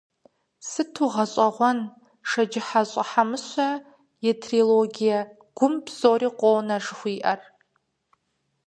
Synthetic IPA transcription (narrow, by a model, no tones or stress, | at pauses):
sɨtʰuʁɐɕʼɐʁʷɔn | ʂɐd͡ʒɪħaɕʼɐħamɨɕʷɐ | jɛtʰriloɡʲijɐ | ɡ̥ʷʊmbz̥oːriːqʷʼoːwnɐʐɨxʷiːʔɐr